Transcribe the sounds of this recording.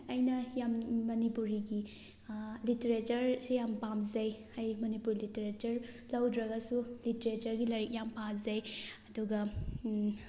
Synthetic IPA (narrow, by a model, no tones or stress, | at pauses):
ɐjnɐjamːɐnipuɾiɡi | liteɾet͡ʃɐɾsejampamzɐjhajmɐnipuɾliteɾet͡ʃɐɾ | lɐwdɾɐɡɐsuliteɾet͡ʃɐɾɡilɐɾik̚jampazɐjɐduɡɐ